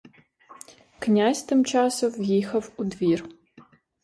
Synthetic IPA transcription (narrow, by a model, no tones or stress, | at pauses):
knʲasʲt̪ɪmt͡ʃasɔwjixɐwud̪vʲir